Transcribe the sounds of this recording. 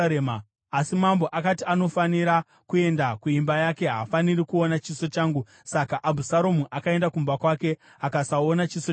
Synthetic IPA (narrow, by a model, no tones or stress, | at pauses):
emaː | simambo̞ʔakatiano̞faniɾa | kue̞ndakuimbajake̞ɦafaniɾikuonat͡ʃiso̞t͡ʃaːŋɡu | sakaʔabʱusaɾomuʔakae̞ndakumbakwake̞ | akasaonat͡ʃiso